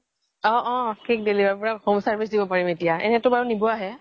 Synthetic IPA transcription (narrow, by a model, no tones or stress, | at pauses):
ɔ̃ʔɔ̃kʰik̚delibaɹpɔɹakxɔmsaɹbisdibɔpaɹimetijaɛ̰nɛtʊbaɹunibɔaɦɛ